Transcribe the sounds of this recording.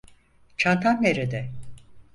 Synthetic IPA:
t͡ʃʰant̪ʰanːeɾed̪ɛ

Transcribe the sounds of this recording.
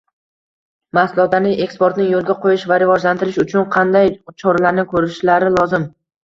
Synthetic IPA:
maslˠɒd̪anɪʔe̞kspoɾt̪nɪjolˠɡʲaqʰojɪʃvaɾɪvɒd͡ʒlant̪ʰɪɾɪʃʊt͡ʃʰʊnqʰɑnd̪ajt͡ʃʰɒɾalaɾnɪkʰɵɾɪʃlaɾɪlˠɒzɪm

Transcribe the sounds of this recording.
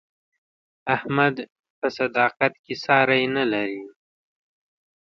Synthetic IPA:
ahmad̪ | pəsad̪ɑqat̪kesɑɾajnalaɾi

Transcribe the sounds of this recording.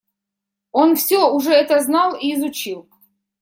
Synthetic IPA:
onfsʲoʊʐɛɛt̪əznɑlˠiːzʊt͡ɕilˠ

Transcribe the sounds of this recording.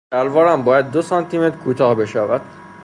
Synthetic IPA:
ælvɒːɾæmbɒːjæd̪̚ːosɒnt̪ʰime̞t̪ʰɾkʰuːt̪ʰɒːhbe̞ʃævæd̪̥

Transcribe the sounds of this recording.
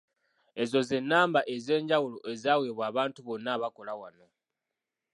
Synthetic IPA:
e̞zo̞ze̞nːaːmbaʔe̞ze̞ːɲɟawuloʔezaːwe̞ːβwaːβaːntuβo̞nːaːβako̞lawano̞

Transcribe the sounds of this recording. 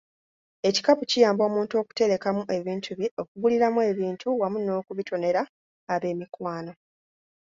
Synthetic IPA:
e̞ci̥kapucijaːmbo̞ːmuːnto̞ku̥te̞ɾe̞kamuʔe̞βiːntʰuβiʔo̞kuβuliɾamue̞ːβiːntʰuwamuno̞ːkuβitʰo̞ne̞ɾaː | βe̞ːmikwaːno̞

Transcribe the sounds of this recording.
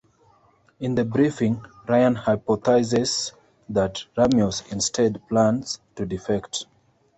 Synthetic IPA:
ɪ̃nðəbɹifĩŋ | ɹaɪə̃nhaɪpɔθaɪzɛz | ðatɹamjɔzɪ̃nstʰedplãntstudifɛkt

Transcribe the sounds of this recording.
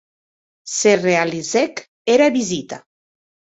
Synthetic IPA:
serealizɛk | eɾaβizit̪a

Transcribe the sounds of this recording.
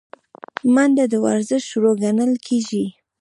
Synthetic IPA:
mand̪ad̪əwaɾzɪʃʃuɾoɡanəlkʰeʒi

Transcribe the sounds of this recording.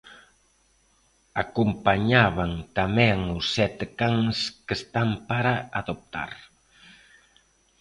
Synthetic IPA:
akumpaɲaβaŋt̪amɛŋʊsːɛt̪ekaŋskəst̪ampaɾaaðop̚t̪a̰ɾ

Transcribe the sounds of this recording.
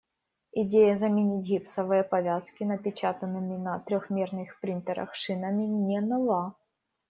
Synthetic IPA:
ɪdʲejɐzɐmʲɪnʲitʲɣʲipsɐvɨjəpɐvʲaskʲɪnɐpʲɪt͡ɕat̪ɐnːɨmʲɪnɐt̪ɾʲɔxmʲernɨxpɾʲint̪ɛɾɐ̰xʂɨnɐmʲɪnʲɛnɐvˠa

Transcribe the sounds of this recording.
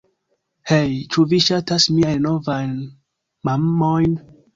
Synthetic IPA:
hejt͡ʃuviʃatasmiajnno̞vajn | mamːojn

